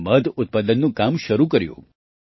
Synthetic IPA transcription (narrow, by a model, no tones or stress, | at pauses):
məd̪ʊt̪̚pad̪ənːũkamʃəɾukəɾjṵ̃